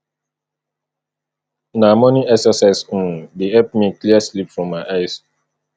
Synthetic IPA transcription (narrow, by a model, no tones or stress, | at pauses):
namɔ̃niɛksəsaɪs̩deɛp̚tmikliaslipfɹɔ̃mːaɪʔaɪs